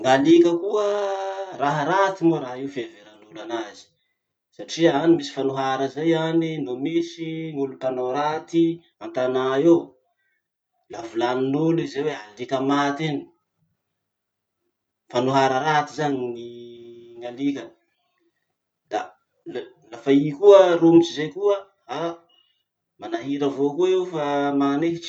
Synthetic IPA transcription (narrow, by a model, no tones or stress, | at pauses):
ŋalikəkuəraɦəɾat̪imoɾaɦiufeveɾanulanazi̥ | saʈ͡ʂianimisi̥fanuɦaɾəzajaninomisiŋulup̪anoɾat̪i | ant̪anae | lavulaninulizewealikəmat̪ini̥ | fanuɦaɾəɾat̪izaɲiniŋalikən | d̪a̰ | lafaikuərumit͡ʃizejkuə | a | manaɦiɾəvokuewfamaneɦit͡ʃ